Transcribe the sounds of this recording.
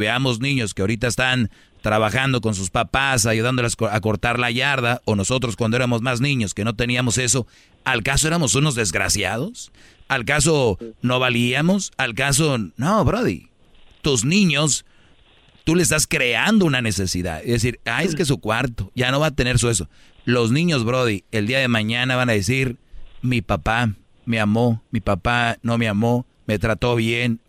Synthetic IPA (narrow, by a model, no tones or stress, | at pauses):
βeamo̞znĩɲo̞skeaoɾit̪aest̪an | t̪ɾaβaxand̪o̞k̬o̞ns̬uspapasaʝuð̞and̪olasoako̞ɾt̪aɾlaʝaɾðao̞noso̞t̪ɾo̞skwand̪oeɾamo̞zmaznĩɲo̞ske̞no̞t̪e̞niamo̞se̞so̞ | alkaso̞eɾamo̞suno̞zðe̞zɣɾa̰sjað̞o̞salkas̬o̞no̞βaliamo̞salkas̬o̞noβɾoðḭ | t̪uznĩɲo̞s | t̪uleest̪askɾe̞and̪o̞unane̞se̞siða̰ðeðes̬iɾajes̬kes̬ukwaɾt̪oʝano̞βat̪e̞ne̞ɾs̬ues̬olo̞znĩɲo̞zβɾo̞ðie̞ld̪iaðe̞mãɲanaβanaðes̬iɾmipapa | me̞amo̞mipapano̞meamo̞ | me̞t̪ɾat̪o̞βje̞n